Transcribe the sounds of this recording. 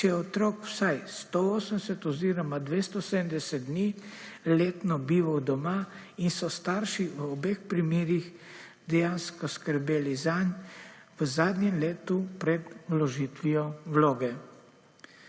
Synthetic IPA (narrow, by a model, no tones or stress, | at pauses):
t͡ʃjɛɔt̪ɾokw̥sajst̪ooːsənd̪ɛsɛt̪ɔziɾɔmad̪ʋeːst̪ɔsed̪əmd̪ɛsɛd̪̚d̪nileːt̪nɔbiːʋɐwd̪ɔma | insɔst̪aɾʃiʋəɔbexpɾimeːɾix | d̪ɛjanskɔskəɾbeːlizanʋəzaːd̪njɛmleːt̪upɾɛd̪wlɔʒiːt̪ʋiɔwloːɡɛ